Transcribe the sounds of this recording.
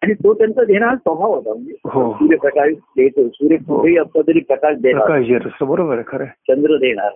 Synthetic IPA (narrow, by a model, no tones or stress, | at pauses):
aɽ̃it̪ot̪jant͡səd̪eɽ̃aɾsəbʱaʋɦot̪aməeɦosuːɾjepɾəkaɾid̪et̪osuːɾjekʰueɦiːəpsat̪əɾiːpɾəkaʃd̪epɾəaɾkad͡ʑeɾəsəbəɾobəɾekʰəɾet͡ɕənd̪ɾəd̪eɽ̃a̰ɾ